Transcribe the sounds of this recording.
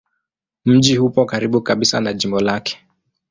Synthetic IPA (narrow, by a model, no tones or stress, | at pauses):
m̩ʄihupɔkaɾiɓukaɓisa̰naʄimbɔlakɛ̥